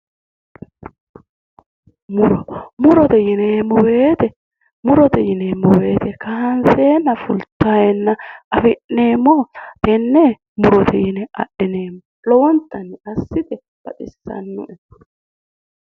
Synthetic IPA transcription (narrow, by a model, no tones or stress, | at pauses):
mʊɾɔmʊɾɔt̪ɛjɪneːmːɔweːt̪ɛ | mʊɾɔt̪ɛjɪneːmːɔwe̞ːt̪ɛkɐhɐnse̞ːnːɐfʊlt̪ːajɛnːɐʔɐfɪʔːeːmːɔɛnːe | mʊɾɔt̪ʰɛjɪnɛɐ̰ʔɪneːmːɔ | lɔwɔnt̪ːɐnːɪɐsːɪt̪ɛ | b̥ɐ̰t̪ʼɪsːɐ̰nːʊ̰ʔɛd̪